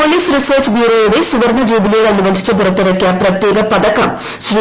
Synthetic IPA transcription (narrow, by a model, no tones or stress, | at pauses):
oliːsɾisɐːɾt͡ʃbjuːɾoːjuɽesuʋɐɾnɐd͡ʑuːbilijɐɭɐnubɐnd̪ʱi̥t͡ɕːɐbʱuɾɐt̪ːiɾɐkːijaːpɾɐt̪jeːɡɐpɐd̪ɐkɐm | sɾi